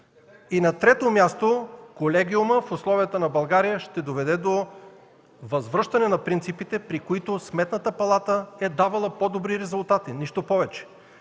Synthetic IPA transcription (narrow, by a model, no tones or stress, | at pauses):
inɐt̪ɾɛt̪omʲjast̪okolɛɡʲiʊməfʊslˠɔvijət̪ənɐbɐlˠɡaɾijəʃt̪ɛd̪ovɛd̪ɛd̪o | vɐzvɾɤʃt̪ɐnɛnɐpɾint̪sipit̪ɛpɾikoit̪ʊsmɛt̪nət̪əpɐlˠat̪əɛd̪avɐlˠɐpod̪obɾiɾɛzʊlˠt̪at̪iniʃt̪opɔvɛt͡ʃɛ̥